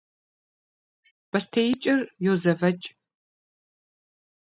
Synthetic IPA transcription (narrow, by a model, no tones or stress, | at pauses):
b̥ɐstʰejɪt͡ʃʼɪrjozɐvɐt͡ʃʼ